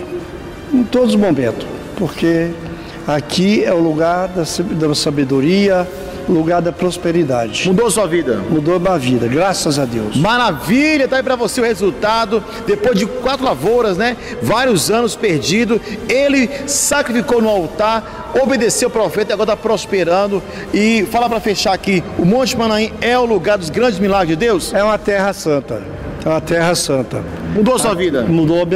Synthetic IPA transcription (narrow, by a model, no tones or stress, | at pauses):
ẽt̪od̪ʊzmomẽnt̪ʊ̥ | poɾke | akʰiɛʊluɡaɾd̪ɐsd̪ɐsabed̪oɾiɐ | luɡaɾd̪ɐpɾospeɾid̪a̰d͡ʒɪmud̪osuɐvid̪ɐ̰mud̪omavid̪ɐɡɾasɐzad̪ḛwsmaɾaviʎɐd̪aip̬ɾɐvoseʊhezuwt̪ad̪ʊ | d̪epojzd͡ʒɪkwat̪ɾʊlavoɾɐznɛvaɾjʊzɐ̃nʊspeɾd͡ʒid̪ʊelɪsakɾifikownʊawt̪aɾ | obed̪esewʊpɾofɛt̪ɐiaɡɔɾɐapɾospeɾɐ̃d̪ʊ | ɪfalapɾɐfeʃaakɪʊmõt͡ʃɪmɐ̃nɐ̃ĩɛʊluɡaɾd̪ʊzɡɾɐ̃d͡ʒɪzmilaɡɾɪzd͡ʒɪd̪ewsɛũmɐt̪ɛhɐsɐ̃t̪ɐ | ɛũmɐt̪ɛɦɐsɐ̃t̪ɐ | mud̪osuɐvid̪ɐ̰mud̪oɐ